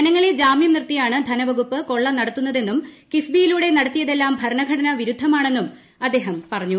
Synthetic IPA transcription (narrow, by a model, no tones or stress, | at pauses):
ɐnɐŋːɐɭed͡ʑaːmjɐmnirt̪ːijaːɳɨd̪ʱɐnɐʋɐɣupːɨko̞ɭːɐnɐɽɐt̪ːun̪ːɐðe̞nːumkifbijiluːɽe̞nɐɽɐt̪ːijɐðe̞lːaːmbʱɐɾɐɳɐɡʱɐɽɐnɐʋiɾud̪ʱɐmaːɳe̞nːum | ɐd̪ːe̞ːɦɐmpɐrɐɲːu